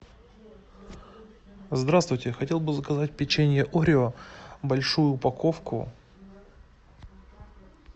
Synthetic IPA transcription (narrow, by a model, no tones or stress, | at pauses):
zd̪ɾast̪vʊjtʲɪxɐtʲe̞lˠbɨzəkɐzat̚ʲpʲɪt͡ɕenʲɪjəʔoɾʲɪobɐlʲʂujʊpɐkofkʊ̰